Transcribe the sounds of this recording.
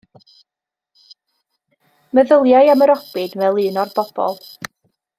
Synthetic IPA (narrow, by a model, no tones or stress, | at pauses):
məðəlˠjajaməɾɔbɨdmɛlˠɨːnɔrb̥ɔb̥ɔ̰lˠ